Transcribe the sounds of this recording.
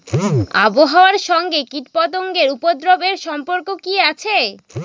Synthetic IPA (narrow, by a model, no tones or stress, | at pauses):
a̰boɦaoaɾʃɔŋɡekiʈpɔt̪̬oŋɡeɾupod̪ɾobeɾʃɔmpoɾkokiat͡ɕʰe